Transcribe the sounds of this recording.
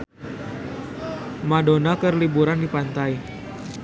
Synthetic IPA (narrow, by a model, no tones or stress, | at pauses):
madonakərlibuɾandipant̪aj